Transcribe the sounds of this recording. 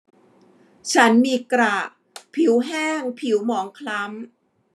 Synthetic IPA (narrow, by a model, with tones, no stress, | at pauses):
t͡ɕʰa˦˥nmiː˧kɾa˨˩ | pʰi˨˩˦wɦɛː˥˩ŋpʰi˩˦wmɔː˩˦ŋkʰla˦˥m